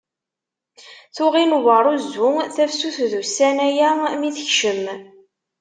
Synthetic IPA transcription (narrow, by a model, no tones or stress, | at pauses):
θʊʁinvəɾˤuzʊθæfsuθðusænæjæmiθəçʃəm